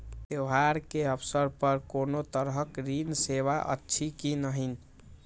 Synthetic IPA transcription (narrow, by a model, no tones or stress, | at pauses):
beɦaɾkeəpʰsəɾpəɾkonot̪əɾɦəkɾinseβaʔə̰tːt͡ʃʰikinəɦin